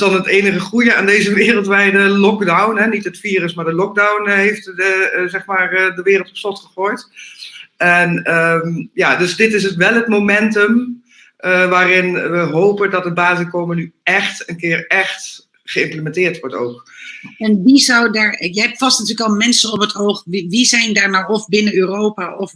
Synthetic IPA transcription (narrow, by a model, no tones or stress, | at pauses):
sdɔnəteːnəχəχrujəa̰ːndejzəʋɪːrəlˠtʋɛjdəlɔkdawnɦɛnitɦətfiːrəsmaːɹdəlɔk̚dawnɦejftzɛχmaːrdəʋɪːrəlˠtɔ̥psɔtχəχoːjt | ɛnəmjadɵsdɪtɪs̬ətʋɛlˠətmomɛntəm | ʔʋaːrɪnʋəɦowpədɔtəbaːzəkoːmənyɛχtənkɪəɹɛχt | χəɪmpləmɛntɪːɹtʋɔɹto̰ːkɛnʋizawdaɹjəɦɛp̚tfɑstnatyːləkɔlˠmɛnsənɔpətʰowχʋiʋizɛjndaɹnawɔfbɪnəøːrowpaʔɔf